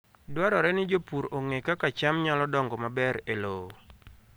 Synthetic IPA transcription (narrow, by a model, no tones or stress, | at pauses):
dwaɾɔɾɛnɪd͡ʒopuɾoŋekakat͡ʃamɲalɔdɔŋɡɔmabɛɾelo